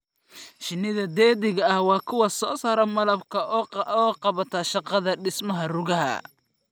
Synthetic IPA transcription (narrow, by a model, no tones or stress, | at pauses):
ʃɪnːɪðɐd̪ɛːðɪɣɐɐhwɑːkʰʊwɑsɔːsaːɾɐmɐlɐb̚kʰɐʔʔɔːqɑβɐt̪ʰaːʃɑqɑðɐɖɪsmɐɦɐrʊɣɐɦɐ̰